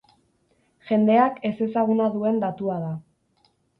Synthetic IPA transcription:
ʝe̞nd̪e̞ake̞se̞saɣ̞unaðue̞nd̪at̪uað̞a

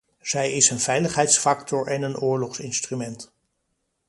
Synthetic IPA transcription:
z̥ɛjɪsənv̥ɛjləχɦɛjtsfɑktɔɹʔɛnənʔʊːɹlɔχsɪnstrymɛnt

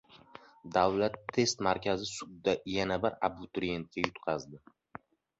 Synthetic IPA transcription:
d̪awlat̪ʰːe̞st̪maɾkʲʰazɪsʊd̪d̪ajanabɪɾa̰bʊt̪ʰɾije̞nt̪̚kʲajʊt̪qʰɑzd̪ɪ

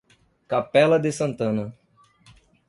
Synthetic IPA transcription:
kapɛlɐd̪ɪsɐ̃nt̪ɐ̃nɐ

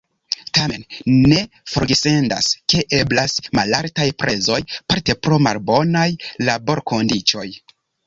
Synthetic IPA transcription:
tamenne̞ | foɾɡese̞nda̰ske̞ʔe̞blasmalaɾtajpɾʔe̞zo̞jpaɾte̞pɾo̞ma̰lbo̞najlabo̞ɾko̞ndit͡ʃo̞j

